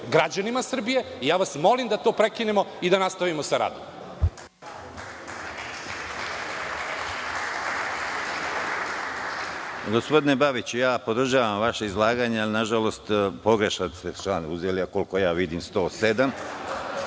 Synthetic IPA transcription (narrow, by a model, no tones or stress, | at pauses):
ɡɾad͡ʑanimasr̩bije̞ijaːʋasmo̞limd̪at̪oːpɾekinemo̞id̪anast̪aʋimosaɾa̰ːd̪om | ɡo̞spo̞d̪inebaʋit͡ɕujaːpo̞d̪r̩ʒaːʋamʋaʃeizlˠaːɡaːɲealinaʒalo̞st̪po̞ɡɾeʃat̪set͡ʃlaːnuzeliako̞lko̞jaːʋid̪imst̪o̞ːse̞d̪am